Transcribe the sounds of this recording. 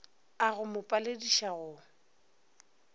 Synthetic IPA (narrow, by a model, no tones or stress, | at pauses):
aɣʊmʊpʼalediʃaɣʊ